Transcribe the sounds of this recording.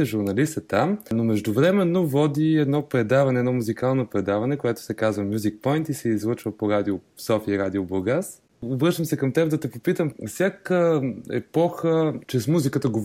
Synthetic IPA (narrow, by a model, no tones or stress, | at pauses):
ɛʒuɾnɐlist̪ət̪amnomɛʒd̪ʊvɾɛmɛnːovɔd̪iɛd̪nɔpɾɛd̪avɐnɛːd̪nɔmuzikalˠnopɾɛd̪avɐnɛkojat̪ʊ̥sɛkazvəmʲjuzik̚pɔjnt̪isɛizlˠɤt͡ʃvəpoɾad̪iosɔfiəiɾad̪ioboɡas | obɾɤʃt̪əmsɛkɐmt̪ɛpd̪ɐt̪ɛpopit̪əmfsʲjakəɛ̰pɔxət͡ʃɛsmuzikət̪əɡov